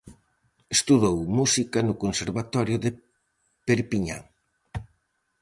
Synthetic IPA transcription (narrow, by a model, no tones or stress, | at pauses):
est̪uðowmusikɐnʊkonseɾβat̪ɔɾjʊðe | peɾpiɲa̰ŋ